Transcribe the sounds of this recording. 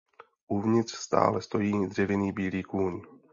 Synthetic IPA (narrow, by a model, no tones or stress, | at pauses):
ʔuvɲɪt̪r̥st̪a̰ːlɛst̪o̞jiːd̪r̝ɛvɪniːbiːliːkuːɲ